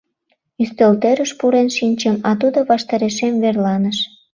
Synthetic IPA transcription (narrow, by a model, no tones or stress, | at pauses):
yst̪elt̪eɾəʃpuɾenʃinʲt͡ɕəmɑt̪ud̪oβɑʃt̪ɑɾeʃemverlɑnəʃ